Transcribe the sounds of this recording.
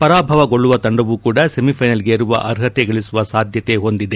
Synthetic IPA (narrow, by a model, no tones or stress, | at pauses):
pɐɾaːbʱɐʋɐɡoɭːuʋɐt̪ɐɳɖɐʋukuːɽɐsemipʰɐjnɐlɡeːɾuʋɐ̰ʔɐɾɦɐt̪eɡɐɭisuʋɐsaːd̪ʱjɐt̪e̞ɦo̞nd̪id̪e